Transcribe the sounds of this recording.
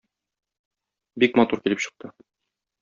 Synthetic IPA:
bikmɐt̪uɾkilɘpɕɤ̆q̚t̪ɤ

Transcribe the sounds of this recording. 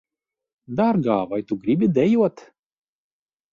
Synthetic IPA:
d̪aɾɡɑːvajt̪uɡɾʲibʲid̪ʲɛjuɔt̪

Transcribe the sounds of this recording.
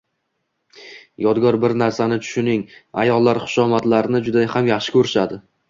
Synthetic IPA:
jɒd̪ɡɒɾbɪɾnaɾsanɪt͡ʃʰʊ̥ʃʊnɪŋajɒlˠːaɾχʊ̥ʃɒmat̪laɾɪnɪd͡ʒʊd̪ahamjaχʃɪ̥kʲʰɵɾɪʃad̪ɪ

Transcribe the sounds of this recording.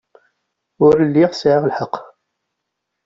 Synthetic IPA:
ʊɾəlːiʁsʕaʁlħəqː

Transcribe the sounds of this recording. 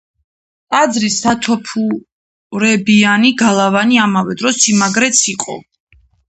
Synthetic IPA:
tʼad̪zɾisat̪ʰɔpʰu | ɾɛbianiɡalˠavaniamavɛd̪ɾɔsimaɡɾɛt̪sʰiqʼɔ̰

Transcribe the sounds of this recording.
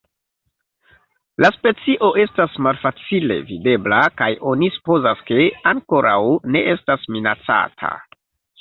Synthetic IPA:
laspe̞t͡siʔo̞ʔe̞stasmalfat͡sile̞̰vide̞blakajo̞nisu̥po̞zaske̞aŋko̞ɾawne̞ʔe̞stasminat͡sa̰tʰa̰

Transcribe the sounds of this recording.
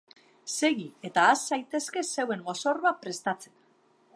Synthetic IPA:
se̞ɣie̞t̪aːsːajt̪e̞ske̞se̞we̞ŋɡo̞so̞rβapɾe̞st̪at͡sen

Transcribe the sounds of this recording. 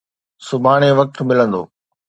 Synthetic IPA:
sʊbʱaːɽ̃eʋɐk̚t̪mɪlə̃nd̪o̰ː

